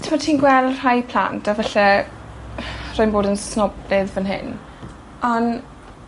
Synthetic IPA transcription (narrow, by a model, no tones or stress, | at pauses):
tʰɪmɔtʰiːnɡwɛlˠər̥ajpʰl̥a̰ntʰavɛɬɛ | roɔːjnboːdənsnɔblɪðvənɦɪ̰n | ɔn